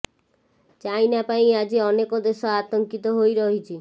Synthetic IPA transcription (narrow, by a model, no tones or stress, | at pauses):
t͡ʃajnapaĩad͡ʒiɔnekɔd̪esɔat̪ɔŋkit̪ɔɦojɾɔɦit͡ʃʰi